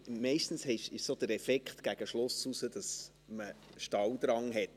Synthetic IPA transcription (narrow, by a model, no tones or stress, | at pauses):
mɛɪʃtn̩shɛʃɪʃsod̪əɾɛfɛkχt̪ɡ̥æɡ̥əʃlʊsusədɑs | məʃtɑwd̪ɾɑŋɦɛt